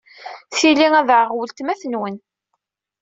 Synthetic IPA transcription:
θiliæðʕəʁwəlt̪mæθənwən

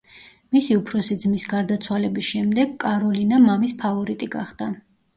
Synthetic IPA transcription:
misiupʰɾɔsid̪zmisɡaɾd̪at̪sʰwalɛbisʃɛmd̪ɛɡkʼːaɾɔlinamamispʰavɔɾit̪ʼiɡa̰χd̪̥a

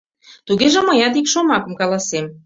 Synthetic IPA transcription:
t̪uɣeʒĕmə̆jɑt̪ikʃomɑkə̆mkɑlɑsem

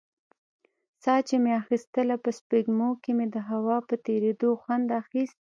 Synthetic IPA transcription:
sɑt͡ʃemeaxist̪əlapəspiɡmokemed̪əɦawɑpət̪eɾed̪oxwand̪axist̪̚

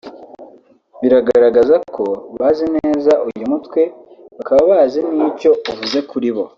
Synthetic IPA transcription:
βiɾaɡaɾaɡazakʰo̞βaːzineːzaʔujumutwe̞ | βakaβaβazeniːco̞uvuze̞kuɾiβo̞

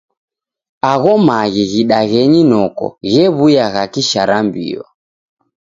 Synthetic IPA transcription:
aɣɔmaɣiɣiɗaɣɛɲinɔkɔ̰ɣɛβujaɣakiʃaɾambḭɔ̰

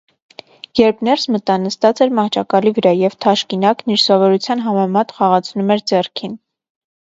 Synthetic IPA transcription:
jɛɾpʰnɛɾsmət̪ɑnəst̪ɑt͡sɛɾmɑht͡ʃʰɑkɑlivəɾɑjɛvt̪ʰɑʃkinɑkniɾsɔvɔɾut͡sʰjɑnɦɑmɛmɑt̪χɑʁɑt͡sʰnumɛɾd͡zɛrkʰin

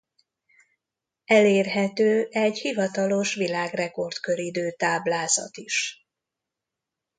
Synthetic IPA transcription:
ɛleːrɦɛt̪øːʔɛɟhivɒt̪ɒlo̞ʃʋilaːɡrɛko̞rt̪kø̞ɾid̪øːt̪aːblaːzɒ̰t̪iʃ

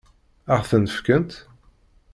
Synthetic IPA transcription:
əʁθənəfkənt̪

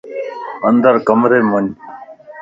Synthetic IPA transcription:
ənd̪əɾkəmɾeːmun

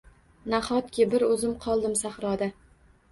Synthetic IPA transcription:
naχɒt̪kʲɪbɪɾɵzɪmqʰɒlˠd̪ɪmsaχɾɒd̪a

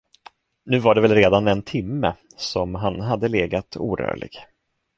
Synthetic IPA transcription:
nʉ̟ːvaɖɛvɛlɾeːd̪anɛnt̪ʰɪmːə̰ | sɔmɦanɦad̪ːəleːɡat̪ʰuːɾœ̰ːɭɪ̰ɡ̥

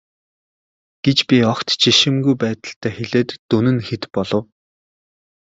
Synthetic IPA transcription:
ɡ̥et͡ɕpʲiɔkt̪t͡ɕʰiʃɪ̆mɡujpæːt̪ə̆ɬt̪ʰæːxeɮeːt̪ːunɘ̆nxet̪pɔɮɞ̆w

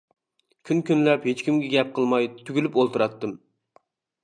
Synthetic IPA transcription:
kʲʰynkʲynlɛphet͡ʃkʲimɡʲɛɡʲɛp̚qʰəlˠmɑjt̪ʰyɡʲylypolˠt̪ɨɾɑt̪ːɨm

